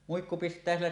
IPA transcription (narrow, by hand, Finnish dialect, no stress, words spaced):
muikːu pistˑæː silːæ